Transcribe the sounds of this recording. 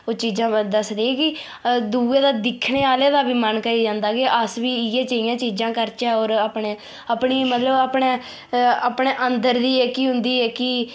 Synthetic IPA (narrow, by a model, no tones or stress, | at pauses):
oːt͡ʃiːd͡ʒãːd̪əsd̪eːɛ̃ːkɪ | d̪uːeːd̪aːd̪ɪkʰɳeːaːleːd̪aːbiːmənkəɾiːd͡ʒãːnd̪aːkeʔəsʋiːɪɛ̃ːt͡ʃəijãːt͡ʃiːd͡ʒãːkəɾt͡ʃɛːoːɾaːpɳeː | aːpɳiːmət̪ləbaːpɳeː | aːpɳeːʔənd̪əɾd̪iːɛːkiːɦʊnd̪iːɛːkɪ